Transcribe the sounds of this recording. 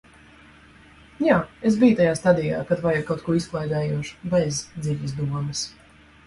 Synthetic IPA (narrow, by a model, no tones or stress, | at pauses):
jaːes̬bijt̪ajaːst̪ad̪ija̰ːkat̪vajukawt̪̚kuɔisklˠajd̪ɛːjuɔʃu̥bɛzd̪ziʎʲizd̪uɔmɨs